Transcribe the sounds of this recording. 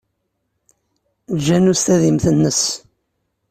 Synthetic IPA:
d͡ʒːænust̪æðimθənːəs

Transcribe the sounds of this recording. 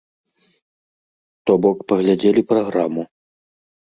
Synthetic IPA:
t̪ɔbɔkpɐɣlʲad͡zʲelʲipɾaɣɾamu

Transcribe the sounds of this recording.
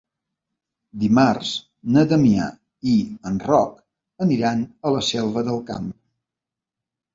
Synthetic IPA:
d̪imarz̥ | nət̪əmia̰ | iənrɔk | əniɾanələsɛlˠβəðəlˠka̰m

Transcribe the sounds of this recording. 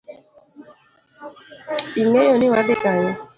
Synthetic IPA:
iŋɛjɔniwadɪkajɔ

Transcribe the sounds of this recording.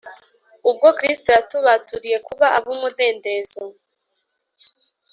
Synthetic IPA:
ub̚ɡokɾistojatuβatuɾije̞kuβaʔaβumude̞ːnde̞ːzo

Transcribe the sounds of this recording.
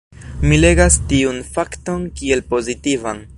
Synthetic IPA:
mile̞ɡastiunfakto̞nkie̞lpo̞zitivan

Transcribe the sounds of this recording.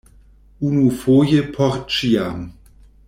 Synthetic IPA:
unufoːjəpʰɔʁt͡ʃiam

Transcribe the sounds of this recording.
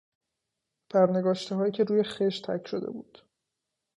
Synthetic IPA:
bʰæɾneɡɒːʃt̪eɦɒːjiːcʰe̞ɾuːjexeʃtt̪ʰæ̰cʰʃo̞d̪e̞̰bṵːd̪̥

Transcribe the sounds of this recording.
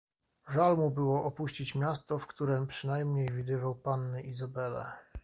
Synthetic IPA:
ʐalmubɘwɔʔɔpuɕt͡ɕit͡ɕmʲjast̪ɔfkt̪uɾɛmpʂɘnajmɲejvʲid̪ɘvawpanːɘʔizabɛlɛ̰

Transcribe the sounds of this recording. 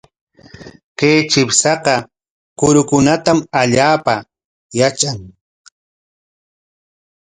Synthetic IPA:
keːt͡ʃɪpsɑqɑ | kʊɾʊkʊnat̪amaʎaːpa | jat͡ʃaŋ

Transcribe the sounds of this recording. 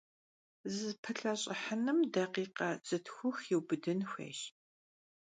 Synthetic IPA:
zɨpʰɨɬʼɐɕʼɐħənɨmdɐqiːqɐt͡sʼɨtʰxʷʊxjɛwbɨdɨnxʷḛːʃ

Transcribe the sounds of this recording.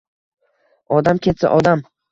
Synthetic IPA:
ɒd̪amkʲʰet̪sa̰ʔɒd̪am

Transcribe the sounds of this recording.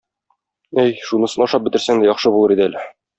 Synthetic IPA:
æjʃunɤ̆sɤ̆nˠɒʃɑp̚bɘ̆t̪ɘ̆ɾsæŋd̪æjɒχʃɤbulˠɤɾid̪ælɘ

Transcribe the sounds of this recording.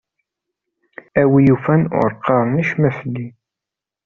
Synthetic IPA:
æwijufænʊ̰ɾqːɑɾˤniʃmæsd̪i

